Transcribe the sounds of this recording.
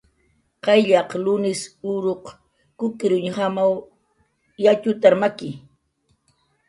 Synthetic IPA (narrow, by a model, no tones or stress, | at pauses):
qɑjʎɑqlʊnɪsʊɾoq | kʊkɪɾʊɲhamaw | jat͡ʃʊt̪aɾmakɪ